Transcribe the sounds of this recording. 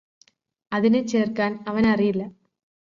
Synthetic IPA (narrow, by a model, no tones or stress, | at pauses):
ɐðɪnet͡ʃːeːrkaːnɐʋɐnɐrɪjɪlːɐ